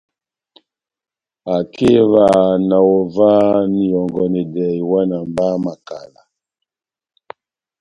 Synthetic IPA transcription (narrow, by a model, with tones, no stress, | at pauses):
a˨ke˦βa˨na˨o˨va˦ni˨jɔ˨ŋɡɔ˨ne˨dɛ˨i˨wa˦na˨mba˦ma˨ka˨la˨